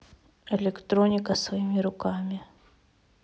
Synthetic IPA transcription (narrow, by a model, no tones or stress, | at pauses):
ɛlʲɪkt̪ɾonʲɪkəsvɐimʲɪɾʊkamʲɪ